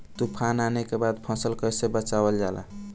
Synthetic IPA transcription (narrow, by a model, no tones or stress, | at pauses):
t̪upʰananekebad̪pʰɔ̃səlkəjsebət͡ʃabəld͡ʒala̰